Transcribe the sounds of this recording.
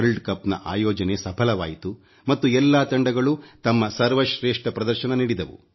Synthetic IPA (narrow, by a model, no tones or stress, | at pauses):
ɾlɖkɐpːnɐ̰ʔa̰ːjɔːd͡ʒɐne̞sɐpʰɐlɐʋa̰ːjit̪u | mɐt̪ːuɛlːaːt̪ɐɳɖɐɡɐɭut̪ɐmːɐsɐɾʋɐʃɾeːʂʈɐpɾɐd̪ɐɾʃɐnɐniɽid̪ɐʋṵ